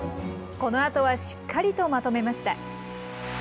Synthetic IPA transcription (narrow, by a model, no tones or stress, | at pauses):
ko̞no̞at̪o̞βaɕi̥kːaɾʲit̪o̞mat̪o̞me̞maɕi̥t̪a